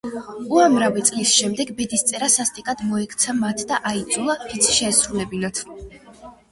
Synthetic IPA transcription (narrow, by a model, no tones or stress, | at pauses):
uamɾavit̪sʼlisʃɛmd̪ɛɡbɛd̪ist̪sʼɛɾasast̪ʼikʼad̪mɔɛkʰt̪sʰamat̪ʰd̪aʔaid̪zulˠapit̪sʰi̥ʃɛːsɾulɛbinat̪ʰ